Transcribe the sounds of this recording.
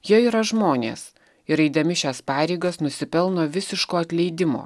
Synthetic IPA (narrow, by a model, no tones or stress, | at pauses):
jiɛiːɾɐʒmoːnʲḛːs | ɪɾɛɪd̪ɐmʲɪʃʲæspɑːɾʲɛɪɡɐsnʊsʲɪpʲɛlˠnoːʋʲɪsʲɪʃkoːɐt̪ʲlʲɛɪd̪ʲɪmo̰ː